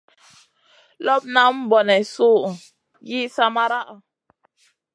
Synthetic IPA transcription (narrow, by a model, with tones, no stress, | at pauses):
lɔ˦p̚na˦m̩˦bɔ˨nɛ˨su˦˨ | ji˦sa˦ma˦ɾa˦ʔa˨